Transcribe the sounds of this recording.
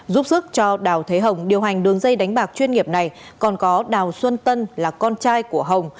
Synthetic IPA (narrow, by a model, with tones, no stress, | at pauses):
zu˦˥p̚sɨ˦˥k̚t͡ɕɔ˧ɗaː˨˩wt̪ʰe˨˦ɦə˨˩wŋ͡mɗi˨˩əwɦa˨˩jŋ̟ɗɨ˨˦əŋzə˧jɗa˨˦jŋ̟ɓaː˨˩k̚t͡ɕwi˧ənŋi˨˩əp̚na˨˩jkɔ˨˩nkɔ˨˦ɗaː˨˩wswə˧nt̪ə˧nlaː˨˩kɔ˧nt͡ɕaː˧jku˧˩əɦə˨˩wŋ͡m